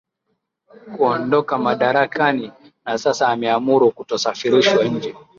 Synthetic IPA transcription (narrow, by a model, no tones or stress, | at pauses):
kuɔndɔkamaɗaɾakani | nasasaːmɛamuɾukutɔsafiɾiʃwaɲ̩d͡ʒɛ